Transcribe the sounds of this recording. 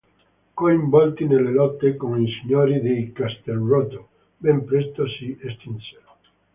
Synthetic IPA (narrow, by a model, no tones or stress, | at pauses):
koimbɔlt̪inelːelɔt̪ːekoŋisiɲoɾid̪ejkast̪elrot̪o | bempɾest̪osiest̪inse